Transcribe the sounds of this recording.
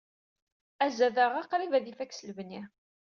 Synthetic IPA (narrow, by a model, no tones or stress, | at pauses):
æzæðaʁɑqɾivæðifækːslvni